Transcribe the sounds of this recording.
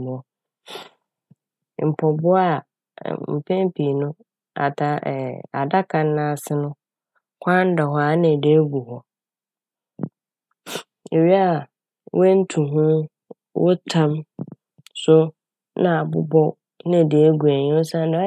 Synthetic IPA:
m̃˨ɔ˦˨ | m̩˨pʰɔ˨bʊ˦a˨ | m̩˨pʰɛ̃˦m˦pʰi˨nʊ̃˦ | a̰˨tʰã˦ʔa˨da˦kʰã˨n˦nã˦˨sɪ˦nʊ̃˦ | kʷʰã˦n̩˦dɔ˨ɦɔ˦a˨nɪ̃˨de˨˦ɡu˨hɔ˨ | e˨ɥi˦a˦˨ | wɛ˦n̩˦tʰũ˨ɦũ˦ | wʔʊ̰˦tʰã˦m | sʊ˦ | nã˦˨a˨bʊ̰˦bɔ˦ | nã˦˨de˨˦ɡu˨æ˨ɲĩ˦ʊ˦sã˦n˦da˨˦

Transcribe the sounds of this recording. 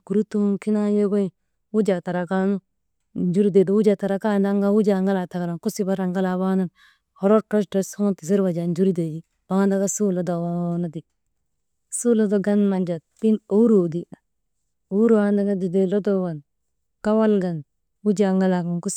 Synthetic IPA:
ku˨ɾu˦t̪u˦ki˦na˦je˦ɡo˦i˦ | wu˦d͡ʒa˨ta˨ɾa˨ka˦nu˦ | nd͡ʒu˦ɾi˦de˨do˨wu˦d͡ʒa˨ta˨ɾa˨ka˦nda˦ŋɡa˦wu˦d͡ʒa˨ŋɡa˦la˨ta˨ka˨la˨nku˦si˦ba˦ɾa˨ŋɡa˦la˨βa˦na˦n | hɔ˨ɾo˦ɾtɾɔ˦ste˦so˦ŋ˦ti˨s̬i˦ɾwa˨d͡ʒa˨nd͡ʒu˦ɾi˦de˨d͡ʒi˦ | ba˦ŋa˦nda˦ka˦su˦lo˦da˨wa˦na˦di˨ | su˦lo˦do˦ɡa˦nma˨nd͡ʒa˨t̚pi˦no˦u˦ɾo˨di˨a˨ | o˦ɾanda˦ɡa˦di˨de˨lo˦do˦wa˨n | ka˦wa˦lɡa˨n | wu˦d͡ʒa˨ŋɡa˦la˨ka˨ŋku˦s

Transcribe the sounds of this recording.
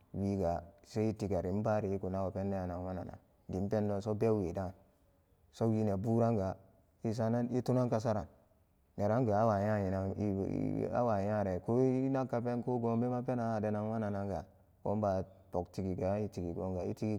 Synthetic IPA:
wi˦ɡa˨se˦i˦ti˨ɡa˨ɾi˨m̩˦ba˦ɾi˨i˦ku˨na˦wo˨pe˦nːe˦a˨na˨ŋwa˦na̰˨na̰˨ | di˨m˦pe˦ndo˦˨so˦be˦we˨da˦˨n | so˦wi˦ne˨bu˦ɾa˦ŋɡa˨ | i˦s̬a˦na˦ni˦tu˦na˦ŋka˦s̬a˦ɾa˨nː | e˨ɾa˦ŋɡa˨a˦wa˨ja˦ji˨na˨ḭ˦˨˦a̰˦wa˨jã˦˨ɾe˨ko˦na˦kːa˨pe˦nko˦ɡo˦mbe˦ma˦pe˦na˨de˨na˨ŋwa˦na˨na˨ŋɡa˨ | ko̰˦m˦ba˨ | to˨kti˨ɡi˨ɡa˨˦i˦ti˨ɡi˨ɡo˨˦ŋɡa˨ḭ˦ti˦ɡi˦

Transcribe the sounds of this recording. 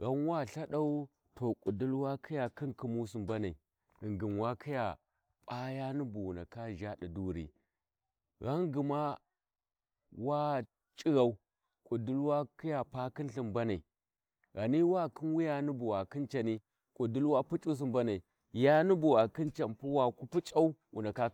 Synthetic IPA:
ɣa˦n˦wa˦˨ɬa˦ɗa˦u˦ | tʰo˨kʼu˨du˦lwa˦kʰi˦ja˨ki˦nki˦mu˦s̬u˨mba˦na˨ḭ˨ | i˨ŋɡi˨mwa˦kʰi˦ja˨ | pʼa˦ja˦nu˦bu˨wna̰˨ka˦ʒa˦ɗi˨du˦ɾḭ˨ | ɣa˦ŋɡi˨ma˦ | wa˦ | t͡ʃʼi˦ɣa˦u˦ | kʼu˨du˦lwa˦ki˦ja˨pa˦ki˦n˦ɬi˨mba˦na˨i˨ | ɣa˨ni˦wa˦ki˦nwi˦ja˦nu˦bu˨wa˨ki˦nt͡ʃa˨ni˦ | kʼu˨du˦lwa˦pu˦t͡ʃʼu˦s̬i˦mba˦na˨i˨ | ja˦nu˦bu˨wa˨ki˦nt͡ʃa˨npu˦wa˨ku˦pu˦t͡ʃʼa˦u˦wṵ˨na˨ka˦

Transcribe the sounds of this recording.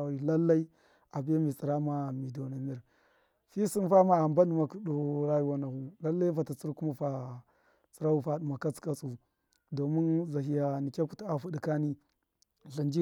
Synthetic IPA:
wi˨la˦lːa˦i˦ | a˨bi˦a˦mi˨t͡si˨ɾa˦ma˨mi˨do˨na˨mi˦ɾ | fi˦si˦nfa˦ma˦a˨mba˦nu˦ma˨ku˦do˦ɾa˦ju˨wa˦na˨hu˦la˦lːa˦i˦fa˨ta˨t͡si˦ɾku˦ma˦fa˨ | t͡si˨ɾa˦u˦fa˦ɗu˨ma˨ka˦t͡ska˦t͡su˨ | do˨mi˦nza˨ɦi˦ja˨ni˨kʲa˦ku˦ta˨fu˦di˨ka˦ni˦ | ɬi˨nd͡ʒi˦

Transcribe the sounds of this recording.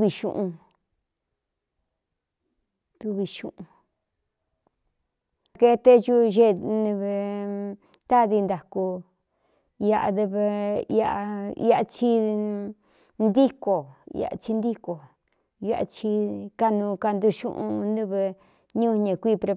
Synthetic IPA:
i˧ʃṵ̃˧ʔũ˧ | t̪u˧βi˧ʃũ˧ʔũ˧ | ke˧t̪e˦ʒu˦ʒe˧nĩ˧βe˧ | t̪a˦ði˧nd̪a˨ku˧ | ja˧ʔa̰˧d̪e˧βe˧a˧a˧ḭ˧˦a˧t͡ʃi˧ | nd̪i˦ko̰˨˧a̰˧t͡ʃi˧nd̪i˦ko˨ | jʔa̰˧t͡ʃi˧ka˧nũ˧ka˧nd̪u˧ʃṵ̃˦ʔṵ̃˧nũ˦βe˧ | ɲũ˦˧ɲẽ˨kʷi˦˨pɾe˧

